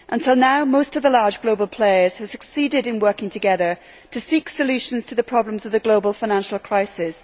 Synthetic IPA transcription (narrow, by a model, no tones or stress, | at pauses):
ʔə̃ntʰɪlˠnaʊmoʊstʌvðəlɑɹd͡ʒɡloʊbəlˠpʰl̥eɪə˞z̥ɨv̥sɨksidɪɾɨ̃nwɜ˞kɪ̃ŋtʰɨɡɛðə˞ | tʰɨsiksəljʉʃə̃nz̥tʰəðəpʰɹ̥ɑblə̃mzʌvðɨɡloʊbəl̩ˠfaɪ̃nãnʃl̩ˠkʰɹ̥aɪsɪs